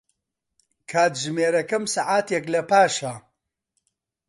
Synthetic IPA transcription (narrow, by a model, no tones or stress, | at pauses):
kʰaːt̪ʒmeːɾɐkɐmsaʕaːt̪eklɐpaːʃa